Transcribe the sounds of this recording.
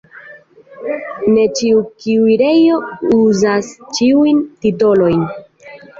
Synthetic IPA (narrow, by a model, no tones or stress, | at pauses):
ne̞t͡ʃiukiuiɾe̞jo̞uzast͡ʃiujntito̞lo̞jn